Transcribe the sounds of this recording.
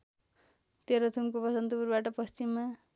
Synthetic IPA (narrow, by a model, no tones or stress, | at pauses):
t̪eɾot̪ʰumkopʌsʌnt̪ʌpuɾbaʈʌpʌst͡simːa